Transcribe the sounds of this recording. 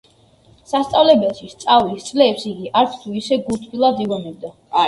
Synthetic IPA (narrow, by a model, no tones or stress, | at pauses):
sast̪sʼavlɛbɛlˠʃist̪sʼavlist̪sʼlɛːpsiɡiʔaɾt̪sʰt̪ʰuisɛɡut̪ʰilˠad̪iʁɔnɛb̚d̪a